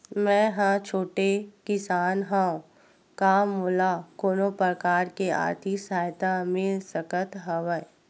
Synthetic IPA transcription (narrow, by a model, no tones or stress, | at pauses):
mɛ̃ːɦãt͡ʃʰoːʈekɪsaːnɦãõ | kaːmːoːlakoːnopɾəkaːɾkea̰ːɾt̪ʰisaːjt̪amɪlsəkət̪ɦɐʋə